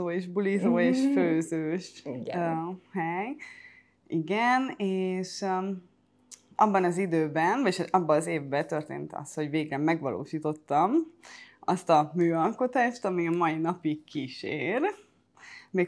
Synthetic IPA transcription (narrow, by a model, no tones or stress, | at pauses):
oːeʒbulizoːeːʃføːzøːʃ | hɛj | iɡɛneːʃ | ʔɒbːɒnɒzid̪øːbɛnveʃɒbːɒːzeːvbɛt̪ø̞rt̪ḛːnt̪ɒ̰st̪ho̞ɟveːɡrɛmːɛɡʋɒ̰lʔo̰ːʃiːt̪o̞t̪ːɒm | ɒst̪ɒmyːɒlko̞t̪aːʃt̪ɒmiɒmɒinɒpikːiʃḛːr | meːk